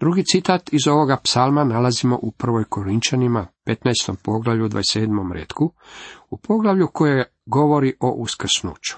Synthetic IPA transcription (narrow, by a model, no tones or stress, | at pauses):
d̪̥ɾuɡit̪sit̪aːt̪izo̞ʋo̞ɡapsalmanalazimo̞̰ʔupr̩ʋo̞jko̞ɾint͡ʃanimape̞t̪najst̪o̞mpo̞ɡlˠaʋʎud̪ʋa̰ese̞ːd̪mo̞mɾḛt̪kuupʰo̞ɡlaʋʎuko̞je | ɡo̞ʋo̞ɾiʔo̞ʔuskr̩snṵːt͡ɕu̥